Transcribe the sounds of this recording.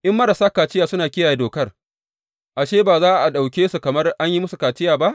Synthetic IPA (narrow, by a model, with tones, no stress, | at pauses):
ʔɪ˦mːɐ˦ɾa˨saː˦kaː˨t͡ʃɪ˦jaː˨sʊ˦naː˨kʲɪ˦jaː˨ja˦doː˨kɐ˦r | ʔa˨ʃeː˦baː˨zaː˦˨ʔa˨ɗa˨wkʲeː˦su˨kɐ˨mɐ˦rʔa˦ɲji˦mʊ˦su˨kaː˨t͡ʃɪ˦jaː˨ba˦ʔ